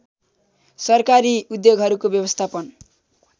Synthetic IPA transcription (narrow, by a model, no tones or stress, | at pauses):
sʌrkaɾiud̪joɡɦʌɾukobjʌbʌst̪ʰapʌn